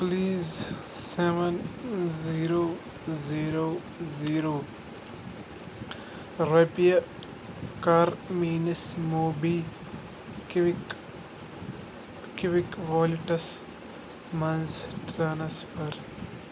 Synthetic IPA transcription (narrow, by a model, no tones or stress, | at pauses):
pliːzseʋɐnziːɾoː | ziːɾoː | ziːɾoː | ɾepijɐ | kaɾmiːnɐsmoːbi | kiʋikʋɔːluʈɐs | mɐnzʈɾaːnsfɐɾ